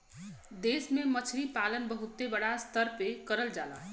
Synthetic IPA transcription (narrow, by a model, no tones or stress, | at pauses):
d̪esmemət͡sʰɾipalənbəɦut̪ːebəɽast̪əɾpekəɾəld͡ʒa̰lã̰